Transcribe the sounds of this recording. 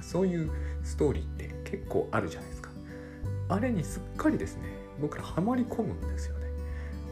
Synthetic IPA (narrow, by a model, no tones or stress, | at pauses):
so̞ːjɯ̟ːsɨ̥t̪o̞ːɾʲḭːt̪ːe̞̰kʰe̞kːo̞̰ːʔaɾɯ̟ʑanajd̪esɨ̥kḁ | aɾe̞ɲ̟isɨkʰːaɾʲid̪e̞sɨne̞ | bo̞kɯ̟ɾahamaɾʲikʰo̞mɯ̟̃nd̪e̞sɨjo̞ne̞